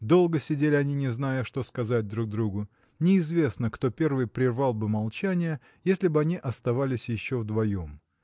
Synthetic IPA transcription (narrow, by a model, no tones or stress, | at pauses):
d̪o̞lˠɡəsʲɪdʲelʲɪɐnʲinʲɪznajəʂt̪o̞skɐzat̚ʲd̪ɾuɡ̚d̪ɾuɡʊ | nʲɪɪzvʲe̞snəkt̪o̞pʲe̞rvɨjpɾʲɪrvɑlˠbɨmɐlˠt͡ɕænʲɪjə | jesʲlʲɪbɨɐnʲiʔɐst̪ɐvalʲɪsʲjɪɕːo̞vd̪vɐjo̞m